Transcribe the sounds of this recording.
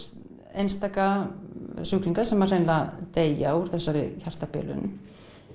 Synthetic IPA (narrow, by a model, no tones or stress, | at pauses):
ejnst̪aːka | suːk̪iŋkḁsɛmarejnlat̪eːja̰uɾ̥θɛsːaɾɪ̰çar̥t̪apɪ̰ːlʏ̰n